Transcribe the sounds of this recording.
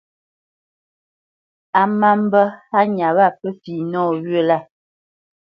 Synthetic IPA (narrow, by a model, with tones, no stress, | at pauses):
a˨ma˦m˦bə˦ha˦ɲa˨βa˦˨pə˦fiː˨nɔː˦˨ɣə˦˨la˦˨